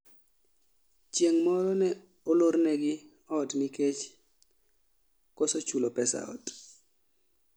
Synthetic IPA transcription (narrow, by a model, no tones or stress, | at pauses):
t͡ʃjeŋmɔɾɔnɛ | ɔloɾnɛɡɪ | ɔɔtmiket͡ʃ | kɔsɔt͡ʃulopɛsa̰ɔ̰t